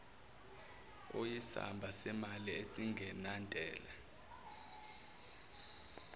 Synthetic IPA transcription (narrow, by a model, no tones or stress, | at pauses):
ojisa̰mbʱasɛmaliesiŋʱɛnandʱʼɛːla